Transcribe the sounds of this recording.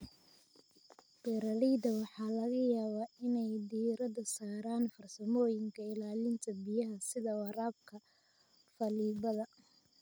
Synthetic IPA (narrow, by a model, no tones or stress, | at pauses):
bɛːɾɐlid̪ɐwɑħɑːlɐɣɐjaːβaːɪnɛjd̪iːɾɐðɐsaːɾaːnfɐrsɐmɔːjɪŋkʰɐɪlaːlɪnt̪ʰɐbijɐɦɐsɪðɐwɑɾaːb̚kʰɐ | fɐliːβɐðɐ